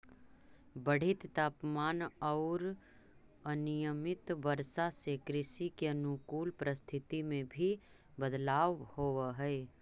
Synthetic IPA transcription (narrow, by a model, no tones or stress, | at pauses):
bəɽ̤ɪt̪t̪aːpmaːnɔːɾ | ənijəmɪt̪ʋəɾsasekɾɪsikeənukuːlpɾəst̪ʰɪt̪imẽbʱi | bəd̪laːʋhoːɦɛe